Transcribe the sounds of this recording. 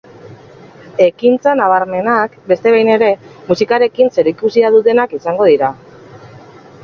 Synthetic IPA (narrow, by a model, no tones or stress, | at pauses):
e̞kint͡sanaβ̞aɾme̞nakbe̞st̪e̞βajne̞ɾe̞musikaɾe̞kinse̞ɾikusiaðut̪e̞nakisaŋɡo̞ð̞iɾa